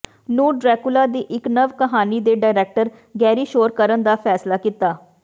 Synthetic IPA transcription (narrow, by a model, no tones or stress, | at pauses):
nuːɖɾɛːkʊlaːd̪iːʔɪknəʋkəɦaːniːd̪eːɖaːɪɾɛːk̚ʈəɾ | ɡɛːɾiːʃoːɾkəɾənd̪aːpʰɛːslaːkit̪aː